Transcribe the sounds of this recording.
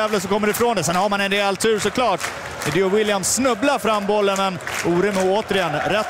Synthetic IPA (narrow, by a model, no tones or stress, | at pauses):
ɛːvləs̬ɔkɔmːəɖɪfɾoːnd̪ɛsɛnhaɾmanɛnd̪ealt̪ʰʉ̟ːʂɔkʰlɑːʈ | mɛd̪ɪɔwɪljamsːnɵblaɾfɾamːbɔlːənmɛnʔuːɾʏməoːt̪əɾɪjɛnɾɛt̪ː